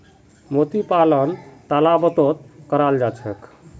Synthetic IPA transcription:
mot̪ipalənt̪alabət̪ot̪̚kəɾald͡ʒat͡ʃʰɛk

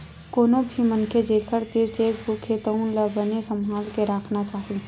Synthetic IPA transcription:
koːnobʱimənkʰed͡ʒeːkʰəɾt̪iɾt͡ʃeːkbukʰet̪əʊnləbənesəmɦaːlkeɾaːkʰnat͡ʃaːɦi

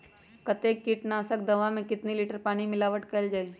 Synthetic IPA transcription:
kɐt̪eːkːiʈnaːsək̚d̪ɐʋãmẽkɪt̪niliːʈəɾpaːñimɪlaːʋəʈkɐld͡ʒaːeɡi

